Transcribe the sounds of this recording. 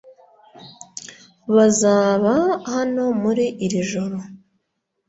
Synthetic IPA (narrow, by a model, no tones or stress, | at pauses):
βazaːβahano̞muɾiʔːɾiʒo̞ɾo̞